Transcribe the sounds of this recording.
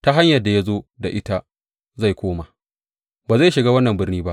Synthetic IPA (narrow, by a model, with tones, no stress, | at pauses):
ta˦ɦa˦ɲjɐ˨rda˨ja˦zoː˦da˨ʔɪ˦ta˦ | za˦˨jkʷoː˦ma˨ | baː˨za˦˨jʃɪ˨ɡaː˦wɐ˦nːɐ˨mbɪ˦rniː˦ba˦ʔ